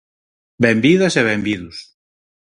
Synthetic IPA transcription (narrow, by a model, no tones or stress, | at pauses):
bɛmbiðɐseβ̞ɛmbiðus